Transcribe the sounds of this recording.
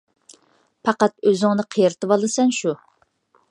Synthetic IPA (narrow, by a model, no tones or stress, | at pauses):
pʰɑqɑt̪øzɪŋnɨqʰijɾt̪ʰɨbɑlˠɨsɛnʃu